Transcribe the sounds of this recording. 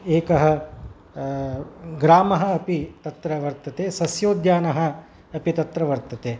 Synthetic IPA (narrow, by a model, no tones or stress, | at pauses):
eːkɐɦɐ̆ | ɡɾaːmɐɦɐ̆ɐpit̪ɐt̪ɾɐʋɐɾt̪ɐt̪eːsɐsjoːd̪jaːnɐɦɐ̆ː | pit̪ɐt̪ɾɐʋɐɾt̪ɐt̪eː